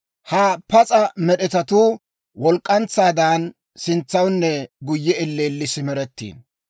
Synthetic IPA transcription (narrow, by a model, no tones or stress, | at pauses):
hɐpɐt͡sʼɐmɛɗɛt̪ɐt̪uː | wɔlkʼːɐnt͡sːaːd̪an | sɪnt͡sːɐwnːɛɡʊjːɛɪlːeːlːɪsɪmɛɾɛt̪ːḭːn